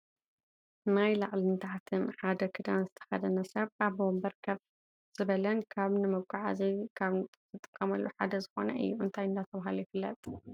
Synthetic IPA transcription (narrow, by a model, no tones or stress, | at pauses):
najlaʕlint̪ʰaʕt̪ʰɨnħad̪ɐkʰɨd̪anzɨt̪ʰɐ̥xɐd̪ɐnɐsɐβaβbombɐɾkʰɐβ | z̥ɨβɐlɐnkʰaβnɨmɐkʷʼːaʕa̰zikʰaβzɨt̪ʼɨkʼːɐmɐlːuħad̪ɐzɨxo̞nɐ̰ʔɨ̰jːuɨ̰nt̪ʰajɨnd̪at̪ʰɐβahalujɪfɨlːɐt̪ʼ